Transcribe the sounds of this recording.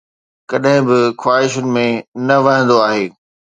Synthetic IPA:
kɐɗɦɪ̃bɪxwaːɦɪʃʊnɪ̆mẽnɐʋɐ̃ɦə̃nd̪oaːɦeː

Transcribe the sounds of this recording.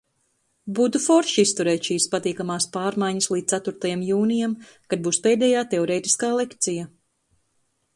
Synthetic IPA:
but̪ufɔɾʃist̪uɾɛːt̪ʃiːspat̪iːkamaːspaːɾmajɲɐslˠiːt̪at̪uɾt̪ajamjuːnijam | kad̪̚buːspeːd̪ɛjaːt̪eɔɾeːt̪i̥skaːlˠekt̪sija

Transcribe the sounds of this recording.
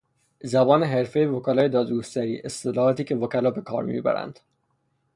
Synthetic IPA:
zæbɒːneɦe̞ɾfe̞jevokælɒːje̞d̪ɒːd̪ɡost̪æɾḭːʔe̞st̪elɒhɒːt̪iːcʰe̞vokælɒːbe̞kʰɒ̰ːɾmḭbæ̰ɾæ̰nd̪̥

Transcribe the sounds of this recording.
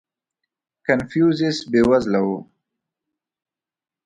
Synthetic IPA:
kanfjuzɪsbewazlawo

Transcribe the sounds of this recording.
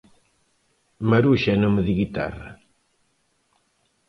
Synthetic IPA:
mɐɾuʃɛnomeðiɣit̪a̰rɐ̰

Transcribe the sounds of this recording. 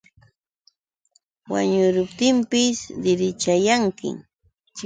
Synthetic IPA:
waɲʊɾʊp̚t̪ɪmpɪsd̪ɪɾɪt͡ʃajaŋkɪ̰

